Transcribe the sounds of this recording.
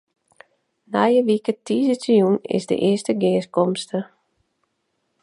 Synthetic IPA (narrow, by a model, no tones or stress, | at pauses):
najəʋikətizətəjunɪ̰zdə̰ʔɪəstəɡɪːskɔmstə